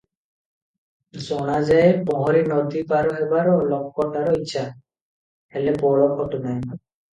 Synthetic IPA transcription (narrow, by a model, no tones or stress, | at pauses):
zɔnazajpɔɦɔɾinɔd̪ipaɹɔɦɛbaɹɔlɔk̚kɔʈaɾɔitːt͡ʃʰa | hɛlɛpɔɹɔkʰɔtʊnaj